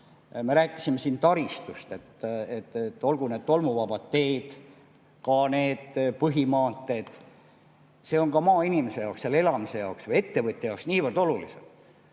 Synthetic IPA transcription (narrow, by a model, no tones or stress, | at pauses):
meɾæːkːˑi̥sime̞siːnt̪ɑɾist̪ust̪e̞t̪ːet̪ːt̪ːo̞lɡ̥uned̪̥t̪ːo̞lmuvɑbɑd̪ːe̞jd̪̥ | kɑne̞ːd̪̥pɤɦimɑːt̪ːˑe̞d̪̥ | se̞o̞ŋkɑmɑːinʲimese̞jɑwksele̞lɑmise̞jɑoksvɤje̞t̪ːe̞vɤt̪ʲːˑejɑoksniːvərd̪̥o̞lulḭsḛd̪̥